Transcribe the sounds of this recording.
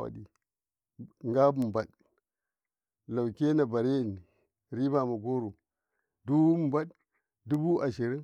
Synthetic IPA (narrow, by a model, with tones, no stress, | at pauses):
wa̰˨di˨ | ŋɡa˦bu˨m˨ba˨ɗ | la˨wke˦na˨ba˨ɾe˦˨ni˨ | ɾi˦ba˨ma˨ɡo˦ɾu˨ | du˦˨mba˦d | du˦bu˦ʔa˨ʃi˨ɾi˦